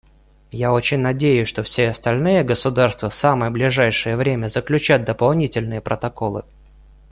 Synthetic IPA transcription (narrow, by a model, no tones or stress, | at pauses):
jao̞t͡ɕɪnʲnɐdʲejʊsʲʂt̪o̞fsʲeɐst̪ɐlʲnɨjəɡəsʊd̪arst̪vəfsaməjəblʲɪʐajʂɨjəvɾʲemʲəzəklʲʉt͡ɕæt̪̚d̪əpɐlˠnʲitʲɪlʲnɨjəpɾət̪ɐko̞lˠɨ